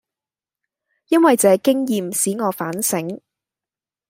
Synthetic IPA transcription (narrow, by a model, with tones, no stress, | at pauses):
jɐ˥nwɐ˨jt͡sɛː˨˧kɪ˥ŋjiː˨msiː˨˥ŋɔː˨˧faː˨˥nsɪ˨˥ŋ